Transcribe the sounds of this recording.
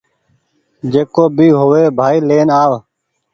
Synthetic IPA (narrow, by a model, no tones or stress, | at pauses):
d͡ʒeːkoːbʱiːɦoːʋeːbʱaːiːleːnaːʋ